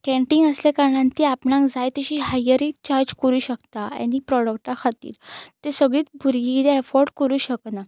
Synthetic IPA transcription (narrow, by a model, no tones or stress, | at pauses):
kɛ̃ɳʈiŋɡəslekaɾɳãnt̪iapɳãŋkd͡zajt̪əɕiːɦajəɾit͡ɕaɾd͡ʑkəɾuːɕəkt̪aa̰nːiːpɾɔɽək̚ʈakʰat̪ḭːɾt̪esəɡɭiːt͡sbʱuɾɡiid̪eɛfɔɾɖkəɾuːɕəkna